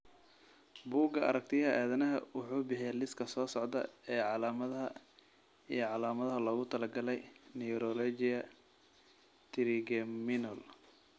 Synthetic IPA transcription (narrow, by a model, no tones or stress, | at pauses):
buːɡɐʔɐ̰ɾɐk̚t̪ʰɪjɦɐʔaːðɐnɐɦɐwʊħuːbɪħɪjɛlɪskʰɐsɔːsɔʕd̪ɐ̰ɛːʕɑlaːmɐðɦɐ | ijɔʕɑlaːmɐðɐɦɐlɔːɣʊt̪ʰɐlɐɡɐlɛjnɛjɾɔlɔd͡ʒɪɐ | t̪ʰɪɾɪɡɛmɪnɔl